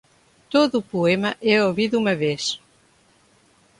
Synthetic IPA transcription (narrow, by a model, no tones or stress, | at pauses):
t̪oðupuɛmɐʔɛoβiðumɐβes